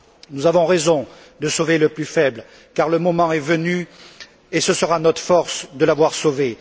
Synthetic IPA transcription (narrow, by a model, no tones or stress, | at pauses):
nuzavɔ̃ʁezɔ̃ | d̪əsoveləplyfɛbl | kaʁləmɔmɑ̃ɛvəny | esəsəʁanɔt̪χə̥fɔʁsd̪əlavwaʁsove